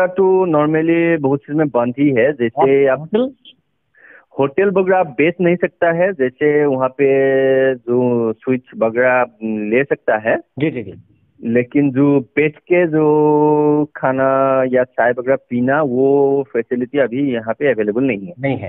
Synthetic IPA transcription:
at̪onɔːɾməlibɐɦʊt̪siɾmẽbɐ̃nd̪ʱiɦɛd͡ʒɛːsea | hoːʈelbɐɡɽabeːsnɐɦĩsɐk̚t̪aɦɛd͡ʒɛːseʋɐɦãpe | d͡ʒoːswɪt͡ʃbɐɡɽalesɐk̚t̪aɦɛːd͡ʒid͡ʒid͡ʒi | leːkɪnd͡ʒoːpeːʈʰked͡ʒoː | kʰaːnajasaːjbɐɡɾapiːnaʋofɛːsɪlɪʈiɐbʱijɐɦãpeɐʋeːleːbəlnɐɦĩɦɛːɐɦĩɦɛ̰

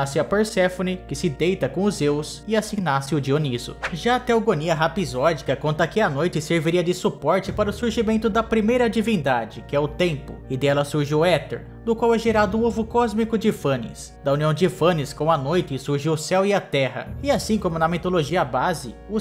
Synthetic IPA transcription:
asɪɐpeɾsɛfonɪkɪsɪd̪ejt̪ɐkõʊzews | ɪasĩnasɪʊd͡ʒionizʊ̰ʒat̪ɛwɡoniɐɦapizɔd͡ʒikɐkõnt̪ɐkɪɐnojt͡ʃɪseɾviɾiɐd͡ʒɪsupɔɾt͡ʃɪpaɾɐʊsuɾʒimẽnt̪ʊd̪ɐpɾimejɾɐd͡ʒivĩnd̪ad͡ʒɪkɪɛʊt̪ẽmpʊ̰ɪd̪ɛlɐsuɾʒiwɛt̪ḛɾ | d̪ʊkwawɛʒeɾad̪ʊũovʊkɔzmikʊd͡ʒɪfɐ̃nɪ̰s | d̪ɐuniɐ̃w̃d͡ʒɪfɐ̃nɪskõɐnojt͡ʃɪsuɾʒiwʊsɛwɪɐt̪ɛɦɐ̰ɪasĩkõmʊnɐmit̪oloʒiɐbazɪʊ

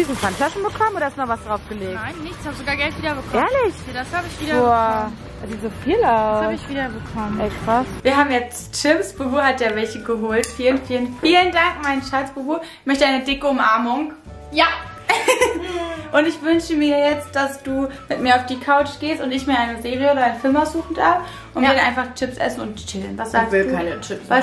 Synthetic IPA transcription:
d̥iːzn̩fʰantlasn̩bəkʰɔmənoːɾɐɪstnɔχvasd̥ʁaʊfɡ̥əleːknaɪnːɪçtshaːbəzoɡaːɡɛltviːdɐbəkʰʔɛːɐlɪçdashaːbəɪçv̥iːdɐo̥ | aziːzofiːlaʊaɪçv̥iːdɐbəkʰɔməɛːkʁ̥asviːɐɦaːbmjɛt͡stt͡ʃɪmsb̥oboːhatjaːvɛlçəɡəɦoːltfiːlənfiːlənffiːləndaŋk̚maɪnʃaɐsb̥oboːɪçmœçtəʔaɪnədɪkəʊmʔaɐmʊŋ | ja | ʔʊntɪçv̥ʏnʃəmiːɐjɛt͡st̚d̥asd̥uːmɪt̚miːɐaʊfd̥iːkʰaʊt͡ʃɡ̥eːstʊ̃ntɪçmiːɐʔaɪnəzeːʁiəʔoːɾɐaɪnfɪlmaʊsz̥uːxn̩daːɐf | ʔʊntɛɐɾəʔa̰ɪnfaχt͡ʃɪpsʔɛ̰sn̩ʊntt͡ʃɪlənvasz̥aːɡ̚vɪlkʰaɪnət͡ʃʰɪpsv

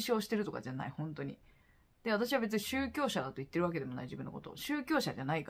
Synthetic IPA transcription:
ɕo̞ːɕi̥t̪e̞ɾɯ̟t̪o̞ka̰d͡ʑana̰ihõ̞nt̪o̞ɲ̟ḭ | d̪̥eβat̪̬aɕiβabe̞t͡sɨɲiɕɨːkʲo̞ːɕad̪at̪oit̪ːeɾɯβaked̪e̞mo̞na̰iʑibɯ̟nːo̰kot̪o̞̰ɕɨːkʲoːɕaʑanaik

